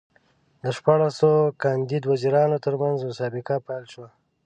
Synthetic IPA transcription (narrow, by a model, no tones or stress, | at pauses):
d̪əʃpɑɽasokɑnd̪id̪waziɾɑnot̪əɾmanzmʊsɑbɪkapajlʃwa